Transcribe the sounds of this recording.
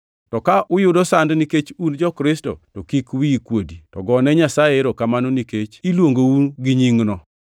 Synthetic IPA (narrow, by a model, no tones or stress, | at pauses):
tɔkaʔʊjʊdɔsandniket͡ʃund͡ʒɔkɾɪsto̰tɔkikwikwoditɔɡɔnɛɲasajeɾokamanoniket͡ʃilwoŋɡowuɡiɲiŋnɔ